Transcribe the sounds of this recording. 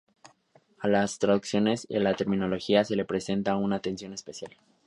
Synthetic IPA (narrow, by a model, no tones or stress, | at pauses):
alast̪ɾaðuksjo̞ne̞sḭalat̪e̞ɾmĩno̞lo̞xiase̞le̞pɾe̞se̞nt̪aunat̪e̞nsjo̞ne̞spe̞sjal